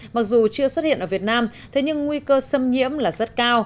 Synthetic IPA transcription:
ma˨˩k̚zu˨˩t͡ɕɨ˧əswə˦˥t̚hḭ˧˨nʔəː˧˩vi˨˩ət̚naː˧mt̪ʰe˨˦ɲɨ˧ŋːwi˧kəː˧sə˧mɲḭ˧˥əmlaː˨˩zə˦˥t̚kaː˧w

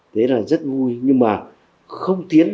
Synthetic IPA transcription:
t̪ʰe˨˦laː˨˩zə˦˥t̚vu˧jɲɨ˧ŋmaː˨˩ | xə˧wŋ͡mt̪i˨˦ən

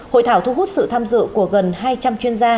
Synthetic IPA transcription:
ho̰˧˨jt̪ʰaː˧˩wt̪ʰu˧ɦu˦˥t̚sɨ̰˧˨t̪ʰaː˧mzɨ̰˧˨ku˧˩əɣə˨˩nhaː˧jt͡ɕa˧mt͡ɕwi˧ənzaː˧

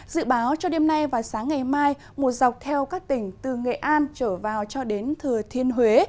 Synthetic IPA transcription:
z̥ɨ̰˧˨ɓaː˨˦wt͡ɕɔ˧ɗe˧mna˧jvaː˨˩saː˨˦ŋːa˨˩jmaː˧j | mu˨˩t̚za˨˩wk͡p̚t̪ʰɛ˧wkaː˦˥k̚t̪ï˧˩ŋ̟t̪ɨ˨˩ŋḛ˧˨ʔaː˧nt͡ɕəː˧˩vaː˨˩wt͡ɕɔ˧ɗe˨˦nt̪ʰɨ˨˩ət̪ʰi˧ənɦwe˨˦

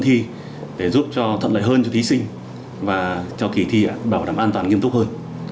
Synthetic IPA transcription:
t̪ʰi˧ | ɗe˧˩zu˦˥p̚t͡ɕɔ˧t̪ʰə˧˨nl̰ə̰ː˧˨ɦəː˧nt͡ɕɔ˧t̪ʰi˨˦sï˧ŋ̟ | vaː˨˩t͡ɕɔ˧ki˨˩t̪ʰi˧ʔa̰ː˧˩ɓaː˧˩wɗaː˧˩mʔaː˧nt̪waː˨˩ŋi˧əmt̪ʊ˦˥həː˧n

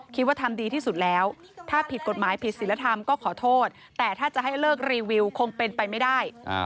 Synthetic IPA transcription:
kʰi˦˥waː˥˩t̪ʰa˧mdiː˧t̪ʰiː˥˩su˨˩t̪̚lɛː˦˥w | t̪ʰaː˥˩pʰi˨˩t̪̚ko˨˩t̪̚maː˩˦jpʰi˨˩t̪̚si˩˦nla˧t̪ʰa˧mkɔː˥˩kʰɔː˩˦t̪ʰoː˥˩t̪̚ | t̪ːɛː˨˩t̪ʰaː˥˩t͡ɕa˨˩ɦa˥˩jlɤː˥˩k̚ɾiː˧wi˧wkʰo˧ŋpe˧npa˧jma˥˩jdaː˥˩j

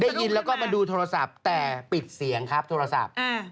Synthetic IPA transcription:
daː˥˩ji˧nlɛː˦˥wkɔː˥˩ma˧duː˧t̪ʰoː˧ɾa˧sa˨˩p̚t̪ɛː˨˩pi˨˩t̪̚si˨˩˦əŋkʰa˦˥p̚t̪ʰoː˧ɾa˧sa̰˨˩p̚ʔa˧˩

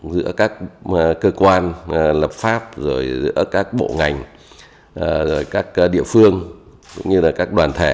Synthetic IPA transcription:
zɨ̰˧˥əkaː˦˥k̚ːkəː˧kwaː˧nlə˨˩p̚faː˦˥p̚zo˨˩jzɨ̰˧˥əkaː˦˥k̚ɓo̰˧˨ŋa˨˩jŋ̟ | ʔzo˨˩jkaː˦˥k̚ɗḭ˧˨əfɨ˧əŋkʊ̰˧˥ŋ͡mɲɨ˧laː˨˩kaː˦˥k̚ɗwaː˨˩nt̪ʰe˧˩

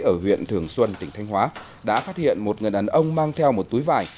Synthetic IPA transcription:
ʔəː˧˩hwḭ˧˨ənt̪ʰɨ˨˩əŋswə˧nt̪ï˧˩ŋ̟t̪ʰa˧jŋ̟hwaː˨˦ | ɗa̰ː˧˥faː˦˥t̚hḭ˧˨ənmo˨˩t̚ŋɨ˨˩ənʔa˨˦nʔə˧wŋ͡mmaː˧ŋt̪ʰɛ˧wmo˨˩t̚t̪u˨˦jvaː˨˩j

